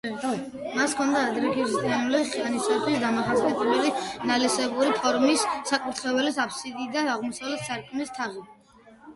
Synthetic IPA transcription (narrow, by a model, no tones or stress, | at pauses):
maskʰɔnd̪aːd̪ɾɛkʰiʒit̪ʼianuliχianisat̪ʰwisd̪amaχasiɛt̪ʰʼɛbɛlinalisɛbuɾipʰɔɾmisːakʼut̪ʰχɛvɛlisapʰsid̪id̪aaʁmɔsavlɛt̪saɾkʰmist̪ʰaʁi